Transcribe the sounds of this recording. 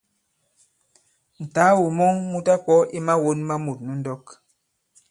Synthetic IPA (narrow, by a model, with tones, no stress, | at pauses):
n̩˨ta˨˦wu˨mɔ˦ŋmu˦ta˦kɔ˦ʔi˦ma˦wo˦nma˦mu˨t̚nu˦ndɔ˦k